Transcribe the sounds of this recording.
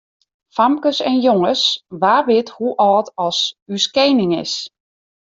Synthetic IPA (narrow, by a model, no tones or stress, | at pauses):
famkəsɛnjoŋəsʋaːrʋɪthuʔɔːtʰɔsyskeːnɪŋɪ̰s